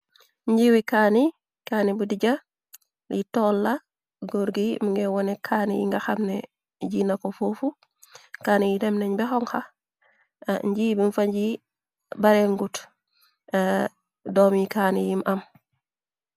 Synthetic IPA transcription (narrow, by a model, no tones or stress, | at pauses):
ɲɟiwikaːni | kaːnibudiɟa | litɔlːa | ɡoɾɡimuŋɡɛwɔnɛkʰanijḭŋɡaxamnɛ | ɟinakɔfufu | kaːnijidɛmnɛɲbɛxɔŋxa | ɲɟibinfaɲɟi | baɾɛŋɡut | dɔmikaːnijimʔam